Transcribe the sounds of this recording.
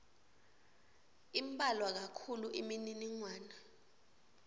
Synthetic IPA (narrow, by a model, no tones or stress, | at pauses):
imbʱʼalwak̬akʰuluʔimininiŋwaːna